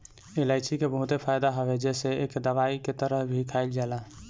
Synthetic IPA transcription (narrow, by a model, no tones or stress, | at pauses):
ɪlaːɪsikebəɦʊt̪epʰaːɪd̪aɦɔwed͡ʒɛːseeːkd̪əʋaːiket̪əɾəɦbʱikʰaːɪld͡ʒaːla